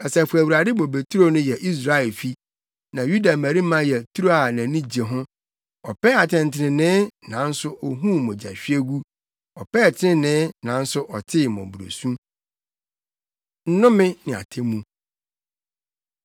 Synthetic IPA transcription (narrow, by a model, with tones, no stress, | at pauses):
ɛ˨sɛ˨fu˨æ˨wu˨ɾa˨dɪ˦bo˨be˨tʰɾo˦nʊ̃˦jɛ˨ʔi˦s̬ɾa˨ɛ˨lfi˦ | nã˨ju˦da˨mæ˨ɾi˦mã˦jɛ˨tʰu˦ɾu˦a˨nã˨nĩ˦d͡ʑi˨e˨ɦʊ̃˦ | ɔ˨pɛ˦a˨tʰɛ̃˨n˨tʰɪ˨nɪ̃˨nɪ̃˦nã˨˦n̩˦sʊ˦ʔɔ˨ɦũ˦mʊ̃˨d͡ʑa˨ɕᶣi˦e˦ɡu˦ | ɔ˨pʰɛ˦˨tʰɪ˦nɪ̃˦nɪ̃˦nã˨˦n̩˦sʊ˦ʔɔ˨tʰɪ˦˨mɔ̰̃˨bu˨ɾo̰˨sũ˦ | n̩˦nʊ̃˦mɪ̃˦nɪ̃˨a̰˨tʰẽ˦mːũ˦